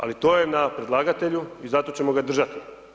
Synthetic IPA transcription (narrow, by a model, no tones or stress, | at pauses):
a̰lit̪o̞ːje̞napɾe̞d̪lˠaːɡat̪e̞ʎuizat̪o̞t͡ɕe̞mo̞ɡad̪r̩ʒat̪i̥